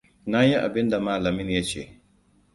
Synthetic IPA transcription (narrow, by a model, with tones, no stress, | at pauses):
na˦ji˦ʔa̰˨bɪ˦nda˨maː˦lɐ˨mɪ˦nja˦t͡ʃḛː˨